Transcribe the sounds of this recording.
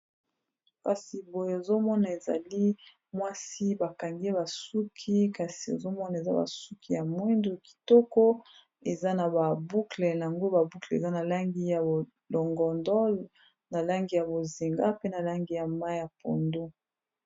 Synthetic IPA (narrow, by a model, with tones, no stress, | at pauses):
ka˨si˨bo˨je˦o˨zo˦mɔ˦na˨e˨za̰˨li˦ | mwa˦si˦ba˨ka˨ŋɡe˦ba˨su˦kʰi˦ka˨si˨o̰˨zo˦mɔ˦na˨e˨za˦ba̰˨su˦kʰi˦ja˨mwi˦ndo˨ki̥˨tɔ˦kɔ˦ | e˨za˦na˨ba˨bu˦klɛ˨na˨a˨ŋɡo˦ba˨bu˦kle˨ḛ˨za˦na˨la˦ŋɡi˦ja˨o˨ | lɔ˨ŋɡɔ˨ndɔ˦ | na˨la˦ŋɡi˦ja˨bo˨zi˨ŋɡa˦pe˦na˨la˦ŋɡi˦ja˨ma˦ja˨po̰˨ndo˦